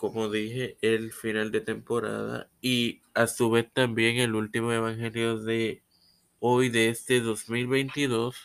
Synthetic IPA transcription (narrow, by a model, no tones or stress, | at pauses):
ko̞mo̞ðihe̞ʔelfinald̪e̞t̪e̞mpo̞ɾa̰ða̰i | asuβe̞st̪ambje̞ŋe̞lult̪imo̞e̞β̞aŋxe̞ljo̞ðe | ojðe̞est̪e̞ðo̞zmilβe̞jnt̪iðo̞s